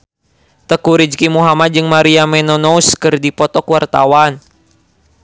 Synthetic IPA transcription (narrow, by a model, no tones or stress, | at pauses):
t̪əkuɾid͡ʒkimuɦamat̪̚d͡ʒɨŋmaɾiamɛnɔnɔuskɨrdipɔt̪ɔkuwart̪a̰wan